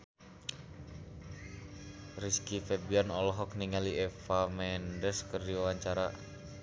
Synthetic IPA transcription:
riskifɛbianɔlɔɦɔk̚niŋaliɛfamɛndəskərdiwawaɲt͡ʃaɾa

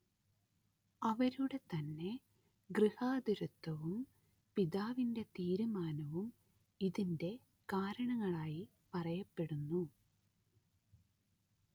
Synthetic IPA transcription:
ɐʋɐɾuɽe̞t̪ɐnːe̞ | ɡrihaːd̪uɾut̪ːɐʋum | piðaːʋinde̞t̪iːɾumaːnɐʋum | iðinde̞ | kaːɾɐɳɐŋːɐɭaːji | pɐrɐjɐpːe̞ɽunːu

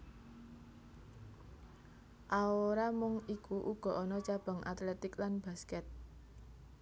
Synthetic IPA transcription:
ʔaoɾamʊŋikuʔuɡ̥ɔ̤ʔɔnɔt͡ʃab̥a̤ŋʔa̰t̪lɛt̪ɪklanb̥a̤skɛt̪̚

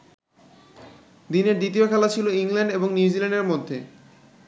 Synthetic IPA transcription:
d̪ineɾd̪it̪iokʰɛlat͡ɕʰiloiŋlaɳɖeboŋniud͡ʑilɛɳɖeɾmod̪ʱːe

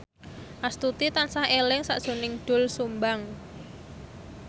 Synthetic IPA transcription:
ʔast̪ut̪it̪ansahelɪŋsaʔd̥ʒ̥o̤nɪŋɖ̪̥ʊ̤lsumbaŋ

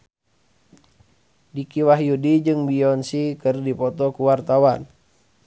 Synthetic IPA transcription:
dikiwaɦjudid͡ʒɨŋbiɔnsikɨrdipɔt̪ɔkuwart̪awan

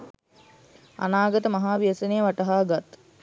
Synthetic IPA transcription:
a̰naːɡət̪əmaɦaːʋiəsənejəʋaʈəɦaːɡat̪

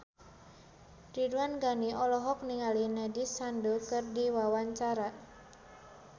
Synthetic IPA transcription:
riduanɡaniʔɔlɔɦɔk̚niŋalinɛdisandokɨrdiwawaɲt͡ʃaɾa

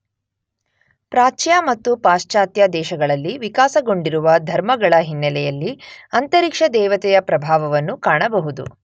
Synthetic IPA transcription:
pɾaːt͡ʃjamɐt̪ːupaːʃt͡ʃaːt̪jaːd̪ɛːʃɐɡɐɭɐlːiʋikaːsɐɡo̞ɳɖiɾuʋɐd̪ʱɐɾmɐɡɐɭɐɦinːɐlɛjɐlːiɐnt̪ɐɾikʂɐd̪ɛːʋɐt̪ɛjɐpɾɐbʱaːʋɐʋɐnːukaːɳɐbɐɦud̪ṵ

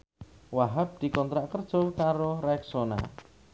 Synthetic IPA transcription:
waɦap̚d̪̥i̤kɔnt̪ɾaʔkərd̥ʒ̥ɔlkaɾoɾaɛksona̰

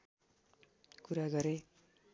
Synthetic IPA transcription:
kuɾaɡʌɾe

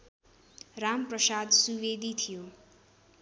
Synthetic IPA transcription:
ramprʌsad̪suwed̪it̪ʰijo

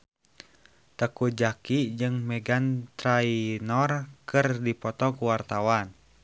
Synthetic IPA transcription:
t̪əkud͡ʒakid͡ʒɨŋmɛɡant̪ɾainɔrkɨrdipɔt̪ɔkuwart̪awan

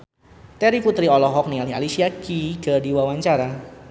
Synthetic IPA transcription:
t̪ɛɾiput̪ɾiɔlɔɦɔk̚nialiɦa̰lisiakiɡ̥ardiwawaɲt͡ʃaɾa

